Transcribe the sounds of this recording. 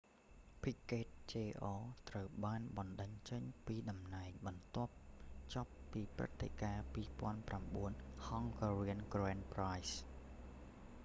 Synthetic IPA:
pʰiʔkeːt̪̚t͡ɕeːʔɑːt̪rəwɓaːnɓɑnɗəɲt͡ɕəɲpiːɗɑmnaɛŋɓɑnt̪ŏəp̚t͡ɕŏpːiːprɨ̰t̪ʰːḛkaːpiːpŏənpramɓuənhɑŋkɔriənkroɛːnprajs

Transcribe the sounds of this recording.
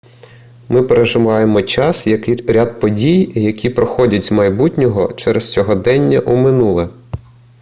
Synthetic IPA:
mɪpeɾeʒɪʋɑjemɔt͡ʃɑsjɐkɪɾʲad̪̚pɔdʲijjɐkʲipɾɔxɔdʲɐtʲzmɐjbutʲnʲɔɦɔ̰t͡ʃɛɾest͡sʲɔɦɔd̪ɛnʲːɐʔumɪnulˠɛ

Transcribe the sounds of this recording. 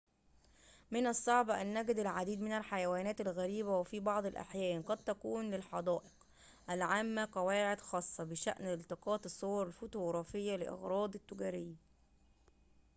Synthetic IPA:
mɪnæsˤːɑʕbʔænːæɡɪd̪ɪlʕad̪iːd̪mɪnælħajæwæːnæːt̪ælɣæɾiːbæwæfibɑʕd̪ˤelʔa̰ħjæːnqɑd̪̚t̪ækuːnlɪlħɑd̪ˤæːʔɪ̥q | ʔælʕaːmːæqɑwæːʕed̪xɑːsˤːɑbɪʃæ̰ʔnlt̪eqɑːt̪esˤːowɑɾˤɪlfot̪oɣɾˤɑːfɪjːælɪʔɑ̰ɣɾˤɑːd̪ˤɪt̪ːʊɡæːɾɪjːæ

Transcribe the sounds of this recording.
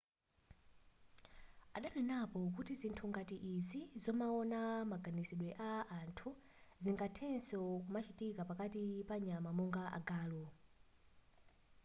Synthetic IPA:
aɗanɛnapɔk̬utizintʰuŋɡatiʔizizɔmaɔnamaɡanisiɗwɛʔaantʰu | ziŋɡatʰɛnsɔkumat͡ʃitikapakatipaɲamamuŋɡaʔa̰ɡaːlɔ

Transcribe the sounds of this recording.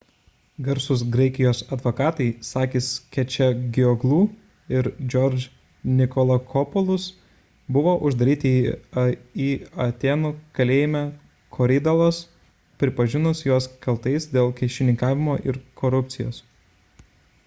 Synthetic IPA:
ɡɐɾsʊsɡɾɐɪkʲɪjoːsɐd̪ʋoːkɑːt̪ɐɪsɑːkʲɪskʲɛt͡ʃʲɛɡʲɪɔɡlˠuː | ɪɾd͡ʒʲɔɾʲd͡ʒʲ | nʲɪkoːlˠɐkʰɔpɔlˠʊs | bʊʋoːʔʊʒd̪ɐɾʲiːt̪ʲɪi | iːɐt̪ʲeːnuːkɐlʲeːjɪmʲæ | kʰoːɾʲɪd̪ɐlˠoːs | pʲɾʲɪpɐʒʲɪnʊsjoɔskɐlˠt̪ɐɪsd̪ʲeːlˠkʲɛɪʃʲɪnʲɪŋkɑːʋʲɪmoːʔɪɾkʰoːɾʊpʲt̪sʲɪjo̰ːs

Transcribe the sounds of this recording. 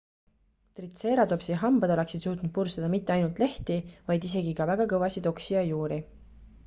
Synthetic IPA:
t̪rit̪seːɾɑd̪o̞psiɦɑmb̥ɑd̪̥ole̞ksid̪̥suːt̪ˑnud̪̚pursɑd̪ɑmit̪ːˑe̞ɑjnult̪ˑle̞ht̪ivɑjd̪is̬e̞ɡikɑvæɡ̥ɑkɤvɑsid̪o̞ksiɑjuːɾi

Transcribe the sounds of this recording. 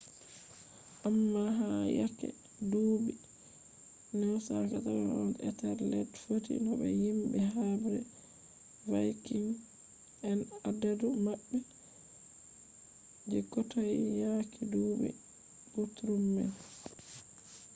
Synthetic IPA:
ʔamːaɦaja̰kɛ̰ | duːbi | nɛwsakataɾaɔnɛtaɾlɛtfotḭnɔbɛ̰jimbɛɦabɾɛ | vajkiŋ | ɛnadadumabːɛ | d͡ʒɛkːɔtajjakʰiduːbḭ | butɾumːɛ̰l

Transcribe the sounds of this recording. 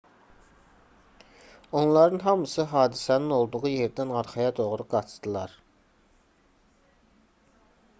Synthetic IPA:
o̞nlˠɑɾɯnɦɑmɯsɯɦɑːd̪isænino̞lˠd̪uʁuje̞ɾd̪ænɑɾχɑjɑd̪o̞ʁɾuɡɑt͡ʃd̪ɯlˠɑɾ

